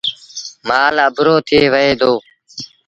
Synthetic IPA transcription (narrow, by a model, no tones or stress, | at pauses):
maːlaːbʊɾoːt̪ʰɪeːʋəeːd̪oː